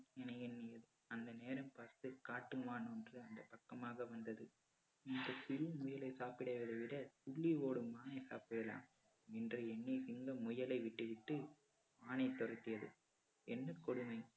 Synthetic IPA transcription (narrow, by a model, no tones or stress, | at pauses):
ɛnɐjɐnːɪjɐðɯ | ɐnd̪ɐneːɾɐmpaːɾt̪ɯkaːʈːɯmʋaːɳɯndrɯɐnd̪ɐpɐkːɐmaːɣɐʋɐnd̪ɐðɯ | ɪnd̪ɐsɪlɯmʊjɐlɐɪsaːpɪɽɐʋɐðɐʋɪɽɐt̪ʊɭːiʋoːɽɯmaːnɐɪsa̰ːpɪʋɐla̰ːm | ɛndrɐɛɳːisɪŋɡɐmʊjɐlɐɪʋɪʈːɯʋɪʈːɯ | maːnɐɪt̪ːɔɾɐt̪ːɪjɐðɯ | ɛnːɐkɔɽɯmɐɪ